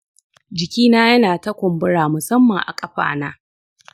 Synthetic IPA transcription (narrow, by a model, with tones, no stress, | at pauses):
d͡ʒɪ˨kʲiː˦naː˦jɐ˦naː˨tɐ˦kʷʊ˨mbʊ˦ɽaː˨mʊ˨sɐ˦mːɐ˨ŋʔa̰˨kʼɐ˦ɸa̰ː˨naː˦